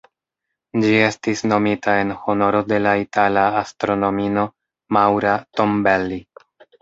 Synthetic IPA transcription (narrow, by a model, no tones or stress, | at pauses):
d͡ʒie̞stisno̞mitae̞nho̞no̞ɾo̞de̞laitʰalaːstɾo̞no̞mino̞ | mawɾato̞mbelːi